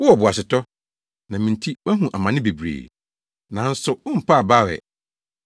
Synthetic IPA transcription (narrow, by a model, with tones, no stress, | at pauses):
wʊ˦ɔ˨bʊ˨a˨sɪ˨tʰɔ˦ | nã˨mĩ˨n˨tʰi˦bæ˦ɦũ˨ʔa˨mã˨nɪ̃˦be˨bɾḛː˨ | nã˨˦n̩˦sʊ˨ʊ˦m̩˨pʰa˦˨ba˦˨wɛ̰˨